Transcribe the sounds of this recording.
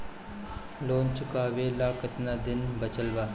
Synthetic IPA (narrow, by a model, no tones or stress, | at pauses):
loːnt͡ʃʊkaːʋeːlaːkət̪nad̪ɪnbɐt͡ʃəlbaː